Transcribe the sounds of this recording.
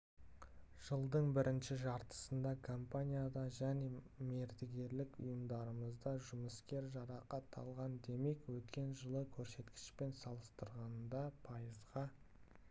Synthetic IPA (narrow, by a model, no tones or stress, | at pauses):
ʒ̥əlˠd̪əɴbɪɾʔɪnʃɪʒɑɾt̪ə̥sənd̪ɑkʰompanʲijad̪ɑʒæne̞ | me̞ɾd̪ɪɡʲe̞ɾlɪkʊ̰jəmd̪ɑɾəməzd̪ɑʒʊməskʲe̞ɾʒɑɾɑqɑt̪ʰːɑ̰lˠʁɑnd̪e̞me̞kwɵt̪kʲe̞nʒəlˠəkʲʰɵɾse̞t̪kʲɪ̥ʃpe̞nsɑlˠəst̪əɾʁɑnd̪ɑpʰɑjəzʁɑ